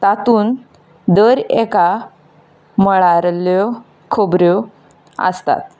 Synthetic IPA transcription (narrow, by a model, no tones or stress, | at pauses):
t̪at̪uːn | d̪əɾeka | məɭaɾljɔ | kʰobɾjɔ | ə̰st̪a̰t̪̚